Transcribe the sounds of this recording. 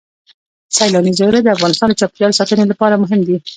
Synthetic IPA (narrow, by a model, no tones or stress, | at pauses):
sajlɑnizeɾad̪əafɣɑnɪst̪ɑnd̪ət͡ʃɑpkjɑlsɑt̪ənelapɑɾamʊɦɪmd̪i